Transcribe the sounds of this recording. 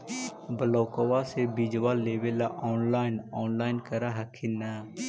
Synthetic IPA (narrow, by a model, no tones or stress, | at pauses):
bəloːkoʋaːseːbid͡ʒʋaːleːʋelaːʔɔːnlaːɪnɔːnlaːɪnkəɾaːɦəkʰːinaː